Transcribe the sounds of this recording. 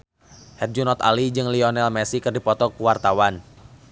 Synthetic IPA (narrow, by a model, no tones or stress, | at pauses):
hɛt̪̚d͡ʒunɔt̪a̰lid͡ʒɨŋliɔnɛlmɛsikɨrdipɔt̪ɔkuwart̪awan